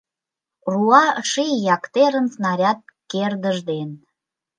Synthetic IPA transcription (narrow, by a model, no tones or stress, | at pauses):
ruɑʃijɑkt̪eɾənsnɑɾʲɑt̪̚kerd̪əʒd̪en